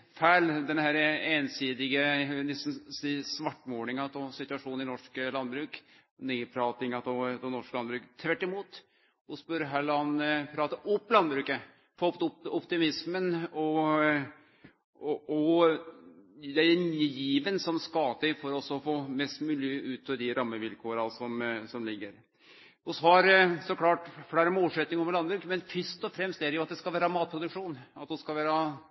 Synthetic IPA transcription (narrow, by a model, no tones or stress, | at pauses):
fæɪld̪ɛnhæɾəeːnsiːd̪ɪɡənɛst̪n̩siːsʋɑʈːmoːɳɪŋɑt̪ɔsɪt̪ʉɑʂuːnɪnɔʂklɑnːbɾʉːk | nepʰɾɑːt̪ɪŋɑt̪ɔd̪ɔnɔʂkəlɑnbɾʉːkt̪ʰʋæʈːɪmuːt̪ | ʊsbœɾɦæɭɑnpʰɾɑːt̪əʔɔpːlɑnbɾʉːkə | fɔpt̪ɔpːɔpt̪ɪmɪsmənɔ | ɔ | d̪ɛjjiːʋənsɔmskɑːd̪əfɔɾɔsɔfoːmɛst̪mʉːlɪʉːt̪ʰːɔd̪ɪɾɑmːəʋɪlkʰoːɾɑsɔmsɔmlɪɡːəɾ | hʊshɑɾsɔkʰlɑːʈfɽæɾəmoːlsɛt̪nɪŋɔmlɑnbɾʉːkmɛnfʏʂt̪ɔfɾɛmst̪ædɛjʊɑt̪̚d̪ɛskɑlʋæːɾəmɑːt̪̚pʰɾʊd̪ʉkʂuːnɑt̪d̪ʊskɑlʋæːɾə